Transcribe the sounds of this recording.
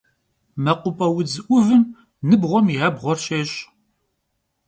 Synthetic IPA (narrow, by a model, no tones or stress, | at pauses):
mɐqʷʊpʼɐwʊd͡zɨʔʷʊvɨn | nɨbʁʷɔmiɦɐbʁʷɔrɕeːɕʼ